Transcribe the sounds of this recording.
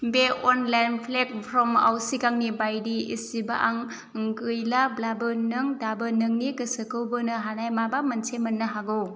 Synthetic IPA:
beɔnlajnpʰlek̚pʰɾɔma̰wsikaŋnibajdiḭsiba̰ʔaŋ | ŋɡɯjlablabɯnɯŋdabɯnɯŋnikɯsɯkɯwbɯnɯɦanajmabamɐnsʰemɐnːɐɦaɡɯw

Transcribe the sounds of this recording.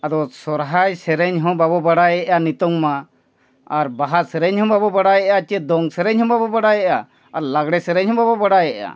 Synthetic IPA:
ad̪ɔsɔɾɦajsɛɾɛɲɦɔ̃babɔbaɽajɛʔanit̪ɔŋma | aɾbaɦasɛɾɛɲɦɔ̃babɔbaɽajɛʔat͡ʃɛd̪ɔŋsɛɾɛɲɦɔ̃babɔbaɽajɛʔa | aɾlaɡɽɛsɛɾɛɲɦɔ̃babɔbaɽajɛʔa̰

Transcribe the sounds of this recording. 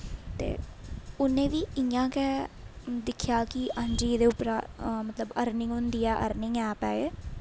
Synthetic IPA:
t̪ḛːʊnẽːʋiːɪjãːkɛːd̪ɪkʰjaːkɪʔənd͡ʒiːd̪eːʊpɾaːmət̪ləbəɾnɪŋɡɦʊnd̪iːɛːʔə̰ɾnɪŋɛːpɛːeː

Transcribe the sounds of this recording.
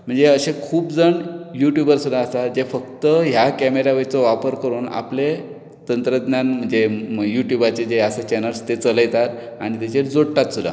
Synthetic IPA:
m̤əɳd͡zeəɕekʰuːpd͡zəɳjuʈjubəɾsud̪ʱaːsad͡ʑefəkt̪əɦjakæmeɾaʋət͡sɔʋapəɾkəɾuːna̰ple | t̪ənt̪ɾəd̪njanm̤əɳd͡zejuʈjubat͡ɕed͡ʑeasat͡ɕɛnəlst̪et͡sələjt̪at̪ | a̰ɽ̃it̪at͡ɕeɾd͡zoɽʈat̪sud̪ʱa̰

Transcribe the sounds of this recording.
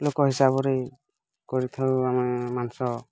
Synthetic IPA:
lokɔɦisabɔɾe | koɹit̪ʰawamɛmansɔ

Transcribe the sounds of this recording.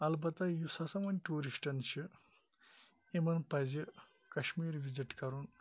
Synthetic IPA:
ɐlbɐt̪ɐjusɐsɐmɐnʲʈuːɾisʈɐnɕi | emɐnpɐd͡zi | kɐɕmiːɾʋid͡ʑiʈkɐɾuːn

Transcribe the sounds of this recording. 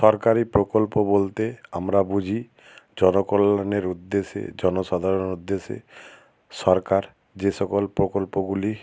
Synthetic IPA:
ʃɔɾkaɾipɾokolpobolt̪eamɾabud͡ʑʱi | d͡ʑɔnokolaneɾud̪ːeʃḛd͡ʑɔnoʃad̪ʱaɾoneɾud̪ːeʃḛ | ʃɔɾkaɾ | d͡ʑeʃɔkolpɾokolpoɡuli

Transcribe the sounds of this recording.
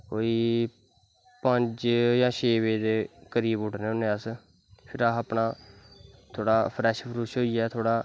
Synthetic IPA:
koːiː | pəɲd͡ʒjãːt͡ʃʰeːʋeːd̪eːkəɾiːbʊʈʰneːʊnẽːəs | pʰɪɾaːəpnaː | t̪ʰoːɽaːpʰɾɛːʃpɾuːʃɦoːiɛːt̪ʰoːɽaː

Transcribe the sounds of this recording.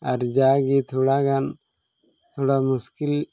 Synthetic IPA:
aɾd͡ʒaɡit̪ʰoɽaɡan | t̪ʰoɽamuskil

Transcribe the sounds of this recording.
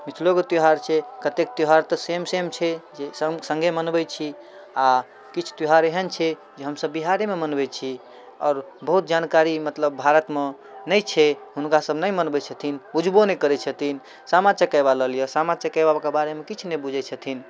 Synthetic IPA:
mit̪ʰloket̪joɦaɾt͡ʃʰɛkət̪ek̚t̪joɦaɾt̪əsemsemt͡ʃʰɛd͡ʒesə̃ŋɡʱemənbɛt͡ʃʰi | a | kit͡ʃʰt̪joɦaɾeɦənt͡ʃʰɛ | d͡ʒeɦəmsəbːiɦaɾememənbɛt͡ʃʰi | ɔːɾbəɦut̪̚d͡ʒankaɾimət̪ləbbʱaɾət̪me | nəjt͡ʃʰɛɦunkasəbnəjmənbɛt͡ʃʰət̪ʰinbud͡ʒʱbonɛkəɾɛt͡ʃʰət̪ʰin | samat͡ʃəkəjbaləɦlijəsamat͡ʃəkəjbakebaɾemekit͡ʃʰnebud͡ʒʱɛt͡ʃʰət̪ʰin

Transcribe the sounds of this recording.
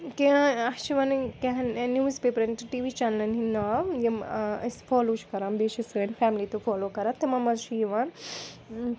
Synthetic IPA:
keãɐt͡ʃʰiʋɐnkeɦnnjuːzpeːpɐɾɐnʈʈiːʋit͡ʃaːnəlɐnɦinajɐmsfɔːloːt͡ʃʰkɐɾãːmbeːʃisɐnfaːmlit̪ofɔːloːkɐɾat̪ːemɐmɐzʃʰijiʋaːn

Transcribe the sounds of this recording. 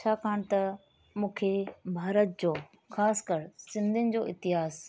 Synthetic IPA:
t͡ɕʰaːkʰaːɽ̃t̪ɐ | mũːkʰebʱaːɾət̪̚d͡ʑoː | xaːskəɾsɪ̃nd̪ʱɪnɪ̆d͡ʑoːɪt̪ɪɦaːz

